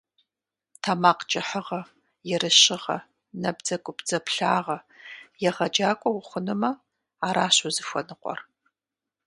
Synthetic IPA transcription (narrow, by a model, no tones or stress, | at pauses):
tʰamaːqt͡ʃʼɐħəʁɐ | jɛɾɨɕɪʁɐ̰ | nɐb̚d͡zɐkʷʼʊpd͡zɐpʰɬaːʁɐ | jɛʁɐd͡ʒaːkʷʼɔwʷʊχʷʊnɨmɐ | aːɾaːɕʊzɨfʷɔ̰nɨqʷʼɔ̰r